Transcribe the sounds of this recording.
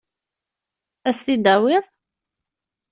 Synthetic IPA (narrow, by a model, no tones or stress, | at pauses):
æslid̪æwɪðˤ